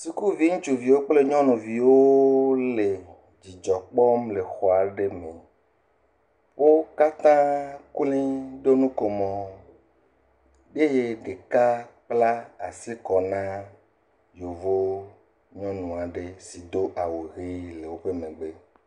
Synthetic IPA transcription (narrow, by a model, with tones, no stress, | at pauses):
si˨ku˦vi˦ŋũ˦t͡ʃu˨vi˨wo˦k͡ple˦ɲɔ̃˦nũ˨vi˨wo˦le˨ | d͡ʑi˨d͡ʒɔ˨k͡pɔ˦mle˨xɔ˨a˨ɖe˦mẽ˨ | wo˦ka˦t̪ã˦klĩ˦ɖ̪o˦nũ˦ko˨mɔ̃˨ | be˦je˦ɖe˨ka˦k͡pla˦a˨si˦kɔ˨nã˦ | jo˨vo˦ | ɲɔ̃˦nũ˨a˨ɖe˦si˨d̪o˦ʔa˨wo˨ɣi˦le˨wo˦ɸe˦mẽ˨ɡ͡be˦